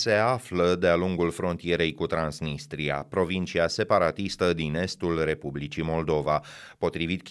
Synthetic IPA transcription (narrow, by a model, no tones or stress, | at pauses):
se̞afləd̪e̞aluŋɡulfɾo̞nt̪ije̞ɾe̞jkut̪ɾansnist̪ɾia̰pɾo̞vint͡ʃiase̞paɾat̪ist̪əd̪ine̞st̪ulre̞publit͡ʃimo̞ld̪o̞va | po̞t̪ɾivit̪̚k